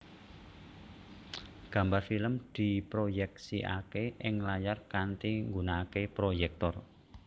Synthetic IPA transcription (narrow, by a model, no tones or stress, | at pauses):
ɡ̥ä̤mbarfiləmd̪̥i̤pɾojɛksiʔa̰keʔɪŋlajarkant̪iŋɡunaːkepɾojɛk̚t̪ɔr